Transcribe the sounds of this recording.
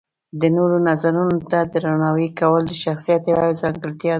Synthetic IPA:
d̪ənoɾonazaɾunot̪ad̪əɾanɑwikawəld̪əʃaxsijat̪jawazɑŋɡəɾt̪jɑ

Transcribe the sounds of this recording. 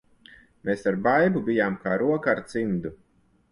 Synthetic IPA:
meːsaɾbajbubijaːmkaːɾuɔkaaɾt̪sind̪u

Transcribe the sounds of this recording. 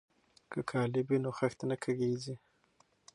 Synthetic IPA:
kʰəkʰɑlɪbwinoxaxt̪anakʰaɡezi

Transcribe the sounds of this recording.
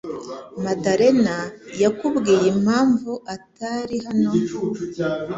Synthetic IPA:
madaɾe̞najakubɡiːjemhaːɱvuʔataɾihano̞

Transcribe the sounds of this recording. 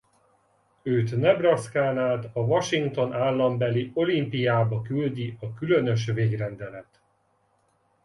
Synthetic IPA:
øːt̪nɛbrɒskaːnaːt̪ɒvɒʃiŋkt̪o̞nʔaːlːɒmbɛlio̞limpijaːbɒkyld̪iɒkylønø̞ʃ̬veːɡrɛnd̪ɛlɛt̪

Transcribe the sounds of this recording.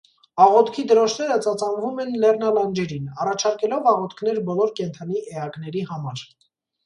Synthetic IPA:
ɑʁɔt̪kʰid̪əɾɔʃʰnɛɾət͡sɑt͡sɑnvumɛnlɛrnɑlɑnd͡ʒɛɾinɑrɑt͡ʃʰɑɾkɛlɔvɑʁɔt̪kʰn̪ɛɾbɔlɔɾkɛnt̪ʰɑniʔɛɑɡnɛɾihɑmɑɾ

